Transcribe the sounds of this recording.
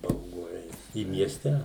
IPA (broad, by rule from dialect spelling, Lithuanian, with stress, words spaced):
bɐʊˈɡʊ ˈɛɪt ɪ mʲiɛsʲˈtʲɛ